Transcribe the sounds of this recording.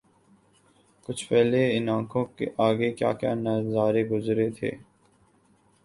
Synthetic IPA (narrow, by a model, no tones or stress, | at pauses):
kʊt͡ʃʰpɛːleɪnãːkʰõkḛʔaːɡekja̰ːkja̰ːnɐzaːɾeɡʊzɾet̪ʰḛː